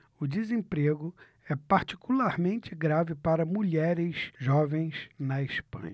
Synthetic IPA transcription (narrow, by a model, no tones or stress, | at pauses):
ʊd͡ʒizẽpɾeɡʊ | ɛpaɾt͡ʃi̥kulaɾmẽnt͡ʃɪɡɾavɪpaɾɐmuʎɛɾɪsʒɔvẽj̃snɐiʃpɐ̰̃ɲɐ